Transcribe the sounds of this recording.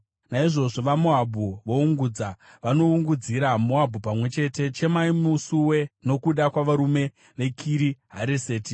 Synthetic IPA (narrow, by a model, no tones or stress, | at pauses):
naiʐo̞ʐo̞ʋamoabʱuʋouŋɡuːd͡za | ʋano̞uŋɡud͡ziɾamoabʱupamwe̞t͡ʃe̞te̞t͡ʃe̞maimusuwe̞no̞kuɗakwaʋaɾume̞ | ʋe̞kʰiɾiɦaɾiseːti